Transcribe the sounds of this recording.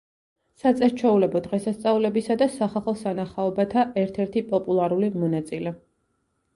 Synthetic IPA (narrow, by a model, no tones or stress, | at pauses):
sat̪sʼɛɾt͡ʃʰɛulɛbɔd̪ʁɛsast̪sʼaulɛbisad̪asaχaχɔsanaχaɔbat̪ʰaʔɛɾt̪ʰɛɾt̪ʰipʼɔpʼulˠaɾulimɔnat̪sʼilɛ